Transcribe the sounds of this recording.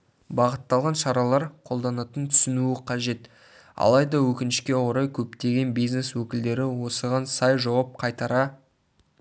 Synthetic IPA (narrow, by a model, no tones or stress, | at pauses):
bɑʁət̪ːɑlˠʁɑnʃɑɾɑlˠɑɾqʰo̞lˠd̪ɑnɑt̪ənt̪ʰʏ̥sɪnuɪqʰɑʒe̞t̪ | ɑ̰lˠɑjd̪ɑwɵkʲɪnɪʃkʲe̞woɾɑjkʲʰɵpt̪e̞ɡʲe̞nbijzne̞swɵkʲɪld̪e̞ɾɪwo̞səʁɑnsɑjʒɑwɑp̚qʰɑjt̪ɑɾɑ